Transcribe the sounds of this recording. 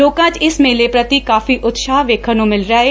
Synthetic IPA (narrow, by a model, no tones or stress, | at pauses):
oːkãːt͡ʃɪsmẽːlepɾət̪ikaːfiʔʊt̪saːɦʋeːkʰənõmɪlɾaːɦeː